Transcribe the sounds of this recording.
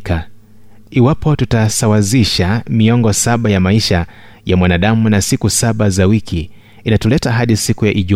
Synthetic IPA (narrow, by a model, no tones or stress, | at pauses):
ka | iwapɔtutasawaziʃamiɔŋɡɔsaɓajamaiʃa | jamwanaɗamunasikusaɓazawikʰiː | natɔlɛtaɦaɗisikujaʔiʄu